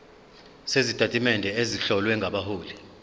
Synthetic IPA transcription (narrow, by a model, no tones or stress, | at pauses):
sezitʼatʼimɛndʱɛeziɬɔlwɛŋɡʱaɓaɦuːli